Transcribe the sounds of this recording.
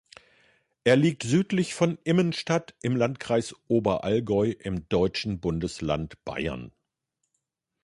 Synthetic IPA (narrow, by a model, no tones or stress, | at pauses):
ʔeːɐliːk̚tz̥yːtlɪçfɔnʔɪmənʃtatʔɪmlantkʁ̥aɪsʔoːbɐʔalɡɔʏʔɪmdɔʏt͡ʃn̩bʊndəsla̰ntb̥a̰ɪɐ̰n